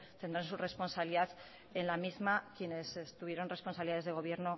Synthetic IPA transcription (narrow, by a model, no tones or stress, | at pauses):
t̪e̞nd̪ɾansure̞spo̞nsaβliðaθ | enlamizmakje̞ne̞sest̪uβje̞ɾo̞nre̞spo̞nsaβliaðeðe̞ɣ̞o̞β̞je̞ɾno̞